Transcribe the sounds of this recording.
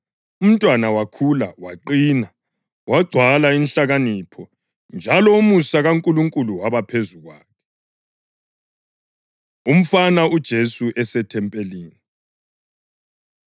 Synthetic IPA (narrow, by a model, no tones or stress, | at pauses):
um̩tʼwanawakʰulawaǃiːna | waɡ͡ǀʱwalainɬaɣaniːpʰɔ | nd͡ʒʱalɔumusaɣaŋkʼuluŋkʼuluwaβapʰezuɣwa̰ːkʰɛ̥ | um̩fanaud̥ʒ̥ʱesuʔɛsɛtʰɛmpʼeliːni